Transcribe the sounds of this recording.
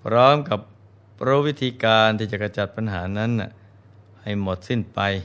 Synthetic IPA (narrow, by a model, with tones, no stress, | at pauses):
pʰɾɔː˦˥mka˨˩p̚ː | ɾo˦˥wi˦˥t̪ʰiː˧kaː˧nt̪ʰiː˧˩t͡ɕa˨˩ka˧t͡ɕa˨˩t̪̚pa˧nɦaː˩˦na˦˥nːi˨˩ | ha˨˩jmo˨˩t̪̚si˥˩npa˧j